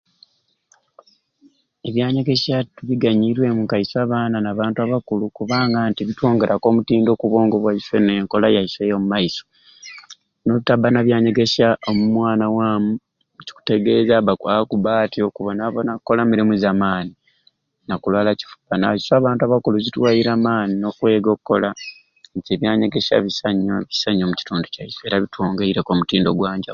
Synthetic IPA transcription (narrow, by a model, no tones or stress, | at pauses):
e̞βjaːɲe̞ɡe̞ʃatuβiɡaɲiɾwe̞muŋkaisaːβaːnanaːβaːntuaβakulukuβaːŋɡaːntiβitwo̞ːŋɡe̞ɾako̞ːmutiːndo̞ːkuβo̞ːŋɡo̞βwaiseneŋko̞lajaisejomumaiso | noutabanaβjaːɲe̞ɡe̞saomumwaːnawaːmu | uci̥ku̥te̞ɡe̞ːzaβakwakuβaːtio̞kuβonaβonakkːo̞lamiɾimuzaːmaːni | nakulwaːlaci̥fu̥bana̰isoaβaːntaβakulozitwaːjiɾaːmaːnino̞kwe̞ːɡo̞ːkukːo̞la | ɲceβjaːɲe̞ɡe̞ʃa̰βisaɲːoβisaɲːomuci̥tuːnducaisoe̞ːɾaβitwoːŋɡeiɾeko̞mutiːndo̞ɡwaːɲɟa